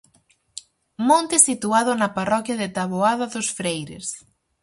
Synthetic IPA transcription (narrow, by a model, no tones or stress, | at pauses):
mõnt̪ɪsit̪uaðʊnɐparɔkjɐðɪt̪aβoaðɐðʊsfɾejɾɪ̰s